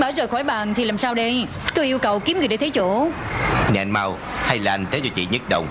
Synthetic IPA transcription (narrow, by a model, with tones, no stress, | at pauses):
ɓəː˧˩zəː˨˩jxɔː˧˩jɓa̰ː˧˨nt̪ʰi˨˩laː˨˩msaː˧wɗə˧j | k̪ɨ˨˦ʔi˧əwkə˨˩wki˨˦mŋɨ˨˩əjɗe˧˦t̪ʰːt͡ɕṵ˧˨ | nɛ̰˨˧˨nma˧w | ha˧jlaː˨ʔa˧nt̪ʰe˨˦t͡ɕɔ˧t͡ɕḭ˧˨ɲə˦˥t̚ɗə˧˩wŋ͡m